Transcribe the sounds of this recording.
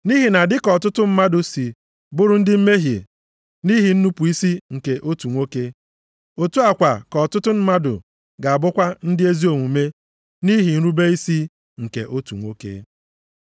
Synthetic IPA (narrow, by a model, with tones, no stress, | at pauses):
ni˦ɦi˨na˨dɪ˦kɔ˨tʊ˦tʊ˦m̩˦ma˦dʊ˨si˨ | bʊ˦ɾʊ˦n̩˦dɪ˦m̩˦me˦ɦjḛ˨ | ni˦ɦi˨n̩˦nu˦pu˨i˦si˦ŋ̩˨ke˨ʔo˦tu˨ŋʷo˦ke˦ | o˨tu˦a˨kʷa˨kɔ˨tʊ˦tʊ˦m̩˦ma˦dʊ̰˨ | ɡa˨a˨bʊ˦kʷa˦n̩˦dɪ˦e˦zi˦o˨ŋʷu˨me˦ | ni˦ɦi˨n̩˦ɾu˦be˦i˦si˦ | ŋ̩˨ke˨ʔo˦tu˨ŋʷo˦kḛ˦